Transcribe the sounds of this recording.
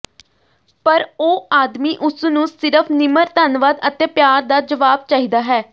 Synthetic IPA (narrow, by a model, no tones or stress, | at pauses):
pəɾoːaːd̪miːʔʊsnũːsɪɾəpʰnɪməɾt̪ənʋaːd̪ət̪ẽːpjaːɾd̪aːd͡ʒəʋaːb̚t͡ʃaːɦiːd̪aːɦɛː